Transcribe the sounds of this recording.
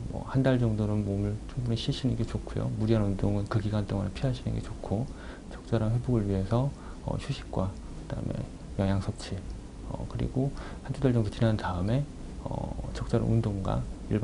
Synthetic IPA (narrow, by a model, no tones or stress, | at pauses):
mʌ̰handaɭd͡ʑʌŋdonɯnmomɯɭt͡ɕʰoŋbuneɕʰiɭɕʰinɯnɡe̞t͡ɕokʰujo̰muɾiɦanundoŋɯnkɯɡiɡant͈oŋanpʰiɦaɕʰinɯ̰nɡe̞̰t͡ɕokʰo | t͡ɕʌk̚t͡ɕ͈aɾanɸwe̞boɡɯɭɥiɦe̞sʰʌ | ʌ̰ɕʰuɕʰi̥k̚k͈wa | kɯda̰ɯ̰me̞̰ | jʌŋjaŋsʰʌp̚t͡ɕʰi | ʌ̰kɯɾḭɡo | hand͡ʑʰudaɭt͡ɕʌŋdot͡ɕinantaɯme̞ | ʌ̰t͡ɕʌk̚t͡ɕ͈aɾa̰nundoŋɡwa̰iɭ